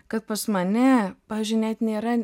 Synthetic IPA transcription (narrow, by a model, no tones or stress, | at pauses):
kɐt̪̚pɐsmɐnʲɛpɑːʋʲiːzʲd͡ʒʲʊɪnʲɛt̪nʲeːɾɐ